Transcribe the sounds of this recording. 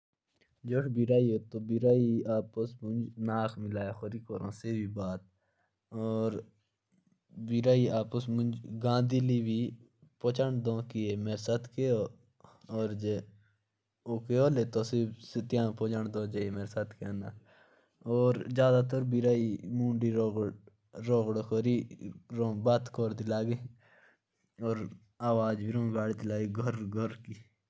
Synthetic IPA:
d͡ʒoːʃbiɾaːioːt̪oːbiɾaːiaːpəsmʊnd͡ʒnaːkʰmɪlaːjaxoɾiːkoːɾõ̰ːsebʱiːbaːt̪̚ | ɔːɾ | biɾaːiaːpəsmʊ̃nd͡ʒɡãːd̪iliːbʱi | poːt͡ʃəɳd̪õːkieːmeːɾsaːt̪keoː | oːɾd͡ʒe | oːkeoːleːt̪oːsiːsɪt̪jãːpoːt͡ʃaɳd̪õːd͡ʒeːemeːɾesaːt̪ʰkeãːna̰ː | oːɾd͡ʒjaːd̪aːt̪əɾbiɾaːimũːɳɖiːɾoːɡ | ɾoːɡɽokoːɾiːɾõːbaːt̪koːɾd̪ilaːɡe | oːɾ | aːʋaːd͡ʒbʱiɾõːɡaːɽid̪ilaːɡiːɡʱəɾɡʱəɾkiː

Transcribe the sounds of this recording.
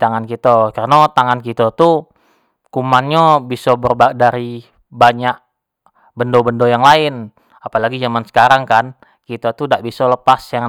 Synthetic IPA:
t̪aŋankit̪akarnat̪aŋankit̪at̪u | kumanɲabisɔbərbadaɾi | baɲaʔ̚ | bəndobəndojaŋlaɪn | apalaɡid͡ʒamansə̥kaɾaŋkan | kit̪at̪undaʔbisɔləpasjaŋ

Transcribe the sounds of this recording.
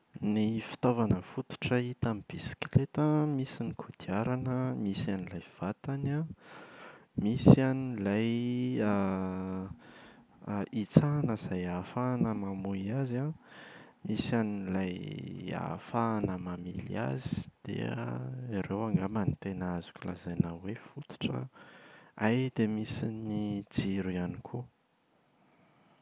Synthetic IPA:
nifi̥t̪ovanəfut̪u̥ʈ͡ʂəit̪amib̥isi̥klet̪amisinikʰud̪̥iaɾanəmisanilajv̥at̪ana | misanilaja | it͡sanəz̥ajafaːnəmamuiaza | misaninlaja̰faːnəmamḭlia̰zi̥d̪̥ḛ | iɾewaŋɡamanit̪enazu̥kʲula̰zajnawefut̪u̥ʈ͡ʂə̰ | ajd̪emisinid͡ziɾuanikʰu

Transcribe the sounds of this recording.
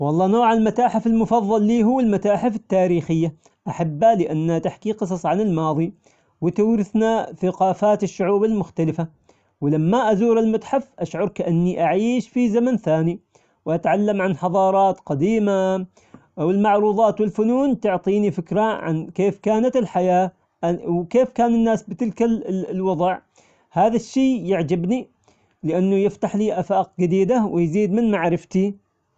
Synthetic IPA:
wɑlˤːɑːnoːʕalmat̪aːħɪfɪlmʊfɑðˤːɑlːiːɦʊwːɪlmat̪aːħɪfɪt̪ːaːɾiːxɪjːa | ʔaħabːalɪʔanːat̪aħkiqɨsˤɑsˤʕanɪlmɑːðˤi | wɪt̪awɾɪθnaθaqɑːfaːt̪ɪʃːʊʕuːbalmʊxt̪alɪfa | wɪlamːaʔazuːɾalmat̪ħafʔaʃʕʊɾˤkaʔanːiʔaʕiːʃfizamanθaːni | wʔat̪ʕalːamʕanħɑðˤɑːɾˤɑːt̪qɑd̪iːma | ʔwɪlmaʕɾuːðˤɑːt̪wɪlfʊnuːnt̪ʊʕt̪ˤiːnifɪkɾaʕa̰nkeːfkaːnat̪ɪlħajaː | ʔwkeːfkaːnɪnːaːsbɪt̪ɪlkalwɑðˤɑʕ | haːðaʃːeːjɪʕd͡ʒabni | lɪʔanːʊjɪft̪aħliːʔafaːq̚d͡ʒɪd̪iːd̪awɪjziːd̪mɪnmaʕɾɪft̪i

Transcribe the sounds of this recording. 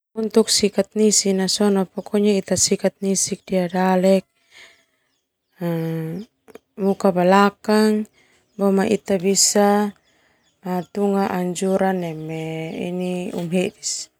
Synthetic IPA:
unt̪uk̚sikat̪̚nisinasɔnapɔkʰɔɲait̪asikat̪̚nisik̚diadalɛk̚ | mukabalakaŋ | bɔmaʔit̪abisa | mat̪uŋaʔaɲd͡ʒuɾanɛmɛḭniṵmɦedis

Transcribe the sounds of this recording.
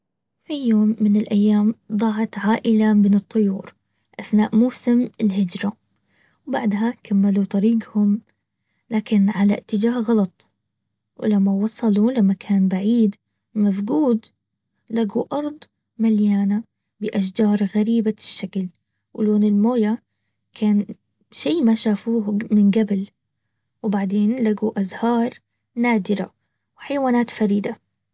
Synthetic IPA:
fijoːmːɪnɪlʔajːaːmd̪ˤɑːɦɑt̪ʕaːʔɪlamɪnɨt̪ˤːʊjṵːɾ | ʔaθnaːʔmuːsɪmɪlɦɪd͡ʒɾˤa | wbaʕd̪ɦakʰamːalut̪ˤɑɾiːɡhʊm | laːkɪnʕala̰t̪ːɪd͡ʒaːhɣɑlɑt̪ˤ | wɪlamːawɑsˤɑlulamːakʰaːnbaʕiːd̪ | mafɡuːd̪ | laɡuʔɑɾˤd̪ˤ | maljaːna | bɪʔaʃ̬d͡ʒɑːɾˤɣaɾiːbaʃːakl | wɪloːnɪlmoːja | kʰaːn | ʃiːmaʃaːfuːhmɪnɡabl | wbaʕd̪eːnlaɡuʔazhɑːɾˤ | naːd̪ɪɾa̰ | wɪħajawaːnaːt̪faɾiːd̪a

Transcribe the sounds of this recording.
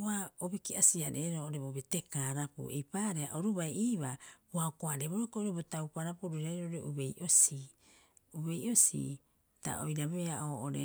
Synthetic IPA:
aobikiasiaɾeɾoʔoɾe̞bobe̞tekaːɾapṵḛjpaɾeaʔoɾubajiːβabuaokoaɾeβoɾakoʔoɾebotawpaɾapuɾuɾaɾoʔoɾeʔube̞jʔo̞si | uβe̞jo̞sḭ | ta̰ʔo̰jɾaβe̞aʔoʔoɾḛ

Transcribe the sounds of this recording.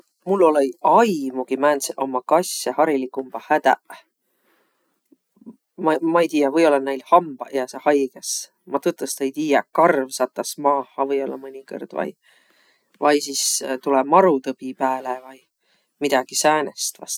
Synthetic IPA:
mulːo̞lejɑjmuɡ̥imæːnseʔo̞mːɑkɑsjɑhɑɾilikːˑumb̥ɑhæd̪̥æ̰ʔ | mɑmɑejt̪iːjɑvɤjo̞lːɑnejlhɑmb̥ɑjɑsehɑjɡ̥es | mɑt̪ɨt̪ˑːust̪e̞jt̪iːjɑkɑrvsɑt̪ːˑɑsmɑːhɑvɤjo̞lːɑ̰mɤnʲikɤ̰rd̪̥vɑ̰j | vɑjsist̪ulɛmɑɾut̪ɤb̥ipæːlevɑj | mid̪̥ɑɡ̥isæːnest̪vɑ̰s

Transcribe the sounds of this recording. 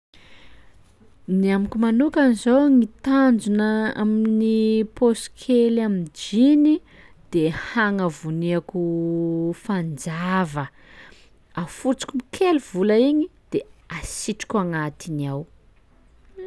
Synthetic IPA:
niamakʲumanukanizowŋit̪and͡zunəa̰mininiposkʰelamid͡ʒini | d̪̥ehaŋəvuneakʲu | fand͡zavə | afut͡si̥kʲumikʰelvulaiɲid̪̥easiʈ͡ʂi̥kʲaŋat̪iniaw

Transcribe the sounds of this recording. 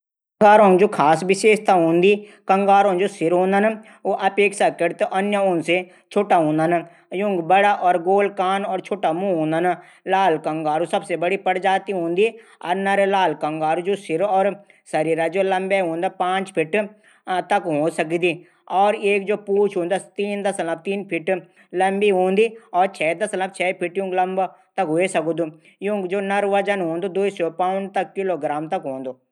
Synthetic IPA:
ŋɡaːɾõːd͡ʒoːkʰaːsʋɪʃeːʃt̪ʰaɦõːnd̪iːkə̃ŋɡaːɾõːd͡ʒoːsɪɾɦõːnd̪əna | oʔɐpeːksakəɾt̪ʔənjəõːnse | t͡ʃʰoːʈaɦõːnd̪ana | jʊ̃ŋɡbəɽaʔɔːɾɡoːlkaːnɔːɾt͡ʃʰoːʈamũɦõːnd̪ana | laːlkə̃ŋɡaːɾõsɐbsebəɽipəɽd͡ʒaːt̪iɦõːnd̪iaːɾnəɾelaːlkə̃ŋɡaːɾõd͡ʒoːsɪɾɔːɾ | sɐɾiːɾad͡ʒoːlɐmbeɦõːnd̪aːpãːt͡ʃpʰɪʈ | t̪ɐkɦõːsɐk̬id̪iː | ɔːɾeːkd͡ʒoːpuːt͡ʃʰɦõːnd̪at̪iːnd̪ɐsɐləb̚t̪iːnpʰɪʈ | lɐmbiːɦõːnd̪iːɔːɾt͡ʃʰɛːd̪ɐsɐləbt͡ʃʰɛːpʰɪʈjũklɐmb | t̪ɐkɦoesɐkud̪uː | jũːkd͡ʒoːnɐɾʋɐd͡ʒənɦoːnd̪oːd̪uːisɔːpãːnt̪ɐkːɪloːɡɾaːmt̪ɐkɦõːnd̪oː

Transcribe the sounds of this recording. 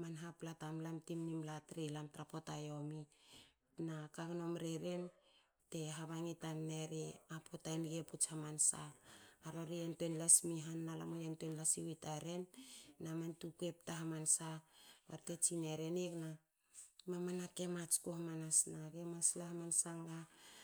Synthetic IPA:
manɦaplatamlamtimnimlatɾilamtɾapotajo̞mi | nakaɡno̞mɾeɾen | te̞ɦaβaŋitanːeɾeapʰotajnɡeput͡ʃhamansaːɾoɾiantuenlasmiɦanːala̰mojantuenlasiwitaɾe̞nːamantukue̞p̚taɦamansaβaɾte̞t͡ʃineɾenekna | mamanake̞mat͡ʃkohamanasnaɡe̞maslaɦamansaŋɡa

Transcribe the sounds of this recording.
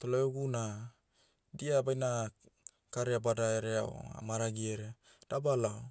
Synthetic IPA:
t̪olaoɡuna | diabajna | kaɾeabadaeɾeao̰a̰maɾaɡieɾe | d̥abalaw

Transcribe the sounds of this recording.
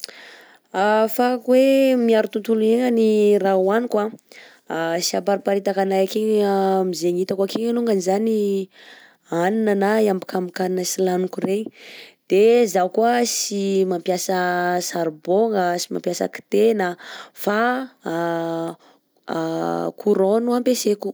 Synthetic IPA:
afakuwemiaɾut̪unt̪ulueŋənirawanikwa | siapaɾipaɾit̪akanajakeɲmizeŋit̪akakiɲanuŋɡanizani | aninanaambikamikaninəsilanukuɾeɲi̥d̪̥ezakuəsimampjasəsaɾboŋəsima̰mpjasə̰ki̥t̪enəfa | kʰuɾonuampeseku̥

